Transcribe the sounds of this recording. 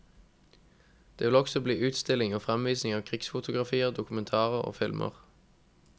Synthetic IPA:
d̪̥eːʋɪlɔksɔbliːʉːt̪st̪ɪlɪŋoːfʁɛmʋiːsnɪŋɑːʋkʰʁɪksfʊt̪ʰʊɡʁɑfiːəʁd̪ʊkʉmɛnt̪ʰɑːʁəʁo̰ːfɪlmʔə̰ʁ

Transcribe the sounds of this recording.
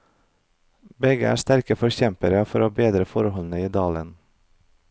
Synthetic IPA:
bɛɡə̰æ̰ːst̪æɾkəfɔɾçɛmpəɾəfɔɾoːbeːd̪ɾəfɔɾhɔln̩əiːd̪ɑːlən

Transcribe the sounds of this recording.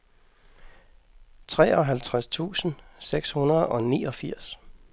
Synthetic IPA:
t͡sʰʁɛ̰ːɒ̽ɦælt͡sʰʁast͡sʰṵːsn̩seɡ̥shunɐð̩ˠɒ̽niːɒ̽fiɐ̰s

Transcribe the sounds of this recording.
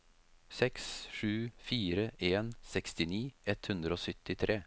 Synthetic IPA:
sɛksʂʉːfiːɾəʔeːnsɛkst̪ɪniːɛt̪hʉnd̪ɾəoːsʏt̪ːɪt̪ʰɾʔeː

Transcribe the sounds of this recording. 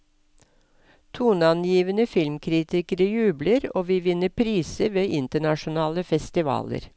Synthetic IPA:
t̪ʰuːnɑnjiːʋənəfɪlmkʰɾɪt̪ɪkəɾəjʉːbləɾoːʋiːʋɪnəpʰɾiːsəʋeːʔɪnt̪əɳɑʃʊnɑːləfɛst̪ɪʋɑ̰ːlə̰ɾ

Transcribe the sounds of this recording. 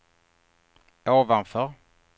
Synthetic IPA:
oːvanfœɾ

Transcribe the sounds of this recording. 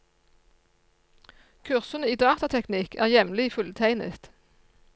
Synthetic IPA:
kʰʉʁsənəiːd̪ɑːt̪ɑt̪ʰɛknɪkʰæ̰ːʁjɛmlɪfʉlt̪ʰæɪnə̰t̪

